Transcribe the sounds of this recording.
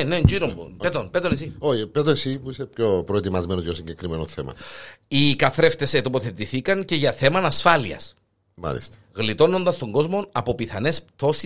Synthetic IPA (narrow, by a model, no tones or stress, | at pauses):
nend͡ʒiɾombupet̪onpet̪onesioçipet̪onesimuisepçopɾoet̪imɐzmenozʝosiɲɟekɾimenoθemɐ̰ikɐθɾeft̪e̞set̪opo̞θe̞t̪iθikɐɲce̞ʝɐθe̞mɐnɐsfɐliɐ̰s | ma̰lḭst̪e̥ | ɣlit̪o̞no̞nd̪ɐst̪oŋɡo̞zmo̞nɐpo̞piθɐne̞st̪o̞si